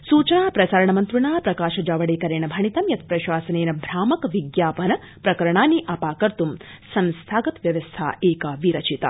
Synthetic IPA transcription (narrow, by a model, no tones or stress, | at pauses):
suːt͡ʃɐnaːpɾɐsaːɾɐɳɐmɐnt̪ɾuɳaːpɾɐkaːʃɐd͡ʒaːʋɐɽeːkɐɾeːɳɐbʱɐɳit̪ɐmjɐt̪̚pɾɐʃaːsɐneːnɐbʱɾaːmɐkʋiɡjaːpɐnɐ | pɾɐkɐɾɐɳ̃aːnːiʔɐpaːkɐɾt̪umsɐnst̪ʰaːɡɐt̪ʋjɐʋɐst̪ʰa̰ːʔeːkɐʋiɾɐt͡ʃit̪ɐ̰